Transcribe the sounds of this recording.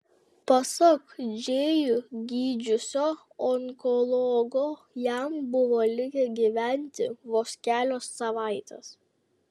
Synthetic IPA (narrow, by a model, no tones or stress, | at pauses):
pɐsɔkd͡ʒʲeːjʊɡʲiːd͡ʒʲʊsʲoː | ɔŋkɔlˠɔːɡoː | jæmbʊʋoːlʲɪɡʲɛɡʲiʋʲæˑnʲt̪ʲɪʋoːsʲkʲæːlʲoːsːɐʋɑˑɪt̪ʲɛ̰s